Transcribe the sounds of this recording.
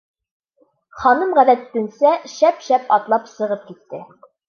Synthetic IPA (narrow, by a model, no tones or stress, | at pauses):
χɑnɤmʁæðæt̪t̪ɵ̆nsæʃæpʃæpɒt̪lˠɑpsɤ̆ʁɤp̚kit̪ːɘ